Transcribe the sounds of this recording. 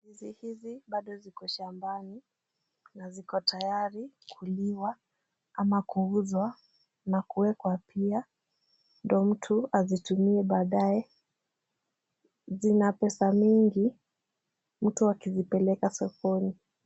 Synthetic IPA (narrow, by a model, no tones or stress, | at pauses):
hizihiziɓaɗɔzikɔʃambani | nazikɔtajaɾi | kʰuliwa | amakuuzwa | nakuwɛkwapʰia | ndɔm̩tʰuazitumiɛɓaːɗaɛ | zinapɛsamiŋɡi | m̩tuakizipɛlɛkasɔkɔni